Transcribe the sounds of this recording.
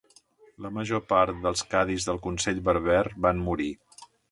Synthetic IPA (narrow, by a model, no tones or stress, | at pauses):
ləməʒopaɾt̪d̪əlˠskaðizðəlˠkunsɛʎβəɾβɛrβanmuɾi